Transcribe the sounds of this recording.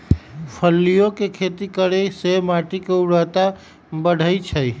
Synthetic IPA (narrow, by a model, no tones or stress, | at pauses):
pʰəlːijõkekʰet̪ikəɾesemaʈikeuɾət̪a | bəɽ̤ʱəjt͡ʃʰəi